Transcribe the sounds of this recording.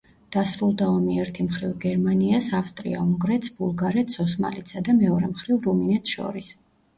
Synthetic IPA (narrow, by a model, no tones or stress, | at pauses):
d̪̥asɾulˠd̪aɔmiɛɾt̪ʰimχɾivɡɛɾmaniasafst̪ʼɾḭauŋɡɾɛt̪sbulˠɡaɾɛt̪sʰɔsma̰lit̪sʰad̪amɛɔɾɛmχɾivɾuminɛt̪sʰʃɔ̰ɾis